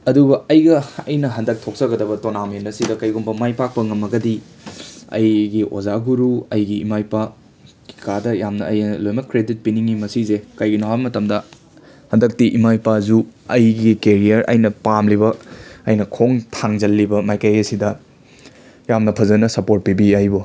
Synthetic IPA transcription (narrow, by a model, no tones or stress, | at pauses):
ɐdubɐɐjɡɐɐjnɐɦɐndɐk̚tʰok̚sɐɡɐdɐbɐtonamenɐsidɐkɐjɡumbɐmajpak̚pɐŋɐmɐɡɐdi | ɐ̰jɡiʔo̰zaɡuɾuɐjɡiːmajpa | ki̥kadɐjamnɐɐjlojmɐkɾedit̚piniŋimɐsizekɐjɡinawamɐtɐmdɐ | hɐndɐk̚tiʔimajpazuɐjɡikeɾijɐɾʔɐ̰jnɐpamlibɐɐjnɐkʰoŋtʰaŋzɐlːibɐmajkɐjɐsidɐ | jamnɐpʰɐzɐnɐsɐpoɾt̚pibiajbo